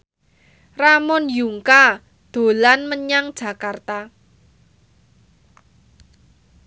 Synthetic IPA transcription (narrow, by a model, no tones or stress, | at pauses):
ramʊnjuŋka | d̪̥o̤lanməɲaŋd̥ʒ̥ä̤kart̪a